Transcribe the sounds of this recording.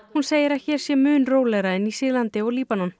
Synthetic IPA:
hunseːjɪɾaðçɛːɾ̥sjɛmʏːnroːwlɛɣɾaɪnːisɪːlant̪ɪɔɣliːpanɔn

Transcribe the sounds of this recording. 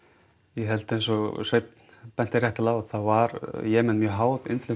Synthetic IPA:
jɛɦɛlt̪ɪejnsɔsejt̪n | pɛnt̪ɪrjɛht̪ɪlawθavaɾjɛːmɛnmjœɦaːwðɪ̰nflʏ

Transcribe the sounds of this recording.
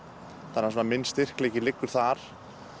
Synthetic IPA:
θanːas̬unamɪnːst̪ɪr̥kleːcɪlɪkːʏɾ̥θaɾ̥

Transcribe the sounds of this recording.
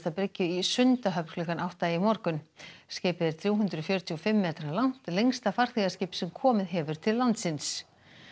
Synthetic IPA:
t̪apɾecːʏisʏnt̪aɦœpflʏkanʔawht̪aimɔɾkʏnscɪːpɪðɪɾ̥θɾjuːwɦʏnt̪ɾʏfjœɾt̪ʰiɔfɪmːɛːt̪ɾalawn̥t̪lejŋst̪afar̥θiɣascɪːpsɛmkʰɔːmɪðɦɛvʏɾ̥t̪ʰɪlːant̪sɪns

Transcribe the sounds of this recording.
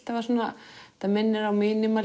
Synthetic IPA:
t̪avasuːnːat̪amɛnːɪɾawminɪmal

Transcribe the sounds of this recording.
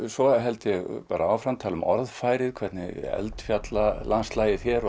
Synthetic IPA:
svɔɦɛlt̪ɪjɛɣpaːɾaawfɾamt̪ʰaːlʏmɔ̰ɾðfaːjɾɪkʰvɛɾt̪nɪ̰ɛ̰lt̪fjat̪lalanst̪laːjɪθɛɾ

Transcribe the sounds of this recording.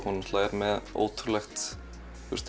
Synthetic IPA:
kɔnmslaːjɾmɛðo̰ːwt̪ʰʏɾlɛxt̪ | fʏ̰ɾst̪

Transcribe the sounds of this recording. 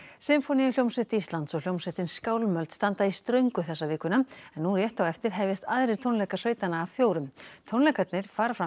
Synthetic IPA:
sɪmfɔnijʏljowmsɛht̪ist̪lant̪sɔljowmseht̪ɪnskaːwlmœlt̪st̪ant̪aist̪ɾœɥŋkʏθɛsːavɪːkvʏnaɛnːurjɛht̪awɛft̪ɪɾ̥ɦɛvjɪst̪aðɾɪɾ̥t̪ʰownlɛkarœɥt̪anːaːvfjoːwɾʏmt̪ʰownlɛkat̪nɪɾ̥faːɾafɾa

